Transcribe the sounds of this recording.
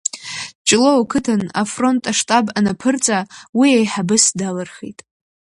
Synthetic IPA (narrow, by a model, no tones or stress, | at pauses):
t͡ʃʼlowkʰɨtʰana̰fro̞ntʼaʂtʼabanapʰɨrt͡sʼawiejħabɨsdalɨrχḭtʼ